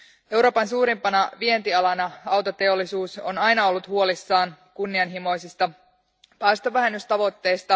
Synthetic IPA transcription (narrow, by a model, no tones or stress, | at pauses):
e̞wɾo̞ːpɑnsuːɾimpɑnɑʋie̞nt̪iɑlɑnɑɑwt̪ot̪e̞o̞lːisuːso̞̰nɑjnɑo̞lːut̪huo̞lisːɑːnkunːiɑnɦimo̞jsist̪ɑ | pæjst̪oʋæɦe̞nːyst̪ɑʋo̞t̪ːe̞jst̪ɑ